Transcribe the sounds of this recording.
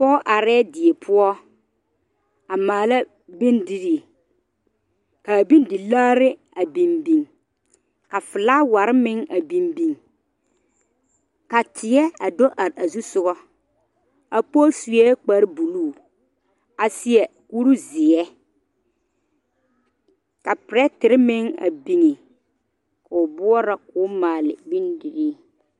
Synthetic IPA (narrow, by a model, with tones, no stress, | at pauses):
pɔː˦ʔa˨ɾɛː˦dɪ˨ɛ˨pʰʊ˦ɔ˦ | a˨maː˨la˦ | bi˦ndi˦ɾi˨ | ka˨bi˦ndɪ˨laː˦ɾɪ˦ | a˨bi˨mbi˨ŋ | ka˨fɪ˨la˦wa˨ɾɪ˦mɪ˦ŋa˨bi˨mbi˨ŋ | ka˨tʰɪ˨ɛ˦a˨do˦ʔa˨ɾa˨zu˦sʊ˦ɣɔ˦ | a˨po˦su˨jɛ˦k͡pa˨ɾɪ˦bu˨luː˦˨ | a˨sɪ˨ɛ˨ku˦ɾu˦zɪ˨ɛ˦ | ka˨pɪ˨ɾɛ˦tɪ˨ɾɪ˦mɪ˦ŋa̰˨bi˨ŋe˨ | ka˨ʊ˨bʊ˦ɔ˦ɾa˨kʊː˦maː˨lɪ̰˨bi˦ndi˨ɾiː˦